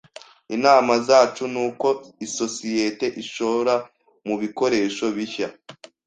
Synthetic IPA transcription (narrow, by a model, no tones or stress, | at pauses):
inaːmazaːt͡ʃunuːko̞iso̞sije̞te̞ʔiʃo̞ɾa | muβiko̞ɾe̞ːʃo̞βiça